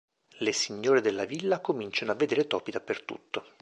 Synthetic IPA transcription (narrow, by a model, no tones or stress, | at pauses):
lesiɲːoːɾed̪elːavilːakomint͡ʃanoavːed̪eːɾet̪ɔːpid̪apːert̪ṵt̪ːo